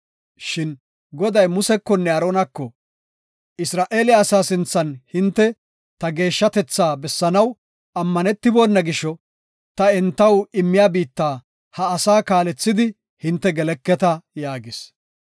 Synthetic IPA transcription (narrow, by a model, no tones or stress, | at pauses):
ʃɪn | ɡɔd̪ɐjmʊsɛkːɔnːɛɐɾoːnɐkːɔ | ʔɪsɾaːʔe̞ːlɪaːsaːsɪnt͡sːɐnhɪnt̪ːɛ | t̪ɐɡe̞ːʃːɐt̪ɛt͡sːaːbɛsːɐnɐw | ɐmːɐnɛt̪ːɪboːnːɐɡɪʃɔ | t̪ɐɛnt̪ːɐwɪmːɪjaːbiːt̪ːaː | hɐːsaːkaːlɛt͡sːɪd̪ɪ | hɪnt̪ːɛɡɛlɛkːɛt̪ɐjaːɡɪs